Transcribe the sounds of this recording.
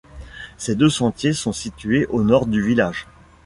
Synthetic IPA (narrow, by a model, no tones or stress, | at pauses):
sed̪øsɑ̃t̪jesɔ̃sit̪ɥeʔonɔʁd̪yvilaʒ